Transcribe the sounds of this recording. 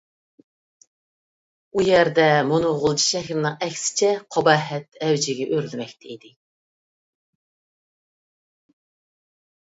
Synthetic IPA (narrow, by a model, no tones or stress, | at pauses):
ujɛɾd̪ɛmunʊʁʊlˠʰi̥ʃɛxɾɪnɨŋɛkʲsɪ̥t͡ʃʰɛqʰɑbɑɦɛt̪ɛwd͡ʒɪɡʲɛʔøɾlɪmɛk̚ʲt̪ʰɛid̪ɪ